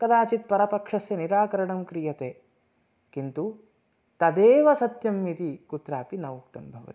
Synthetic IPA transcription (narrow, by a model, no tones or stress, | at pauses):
kɐd̪aːt͡ʃit̪̚pɐɾɐpɐkʂɐsjɐniɾaːkɐɾɐɳɐmkɾijɐt̪eː | kint̪u | t̪ɐd̪eːʋɐsɐt̪jɐmːit̪ikut̪ɾaːpinɐʋuk̚t̪ɐmbʱɐʋɐ̰t̪i̥